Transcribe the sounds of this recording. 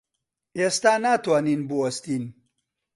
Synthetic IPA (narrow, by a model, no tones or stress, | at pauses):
eːst̪aːnaːt̪waːniːnbɨwɐst̪iːn